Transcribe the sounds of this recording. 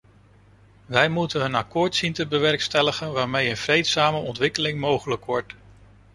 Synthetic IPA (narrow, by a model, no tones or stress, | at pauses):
ʋɛjmutənɦənakʊːɹtsintəbəʋɛɹkstɛləχənʋaːɹmejənv̥rejtsaːməʔɔntʋɪkəlɪŋmowχələkʋɔɹt